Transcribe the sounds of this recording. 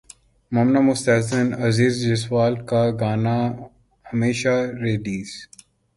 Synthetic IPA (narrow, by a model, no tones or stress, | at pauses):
mɔːmnamʊst̪aːzənɐziːzd͡ʒɪswaːlkaɡaːna | hɐmeːʃaɾeːliːs